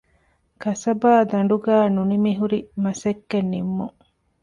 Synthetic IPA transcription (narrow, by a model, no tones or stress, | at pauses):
kɐsɐbaːd̪ɐɳ̆ɖuɡæːnunimiɦuɾimɐsekːenːimːuŋ